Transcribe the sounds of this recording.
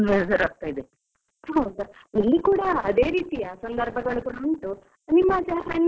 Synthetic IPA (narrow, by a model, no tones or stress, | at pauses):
esɐɾaːk̚t̪aːjid̪e | ɦɐwd̪uilːikuːɽɐːd̪eːɾiːt̪ijɐsɐnd̪ʱɐɾbʱɐɡɐɭukuːɽɐuɳʈu | nimːɐt͡ʃaːɾɐnː